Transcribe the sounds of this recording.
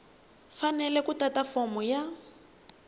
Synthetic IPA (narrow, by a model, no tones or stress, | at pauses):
fanɛlɛkutatafɔmɔja